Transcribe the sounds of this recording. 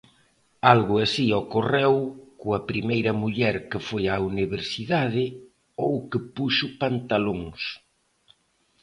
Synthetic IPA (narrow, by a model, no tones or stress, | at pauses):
alɣʊasiɔkorewkʊɐpɾimejɾɐmuʎɛɾkɪfojauniβeɾsiðaðɪ | owkɪpuʃʊpant̪aloŋs